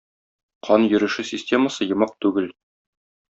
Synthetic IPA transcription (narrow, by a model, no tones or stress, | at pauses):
qʰɒnjɵ̆ɾɘ̆ʃɘsʲɪsʲtʲe̞məsɤjɤ̆mɑq̚t̪ʉɡɘl